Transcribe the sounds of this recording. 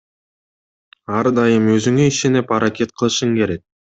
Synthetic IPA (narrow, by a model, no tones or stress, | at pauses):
ɑɾd̪ɑjəmøzyŋø̞iʃe̞nepɑɾakʲe̞t̪̚qʰəlˠɯʃɯŋkʲʰe̞ɾe̞k̚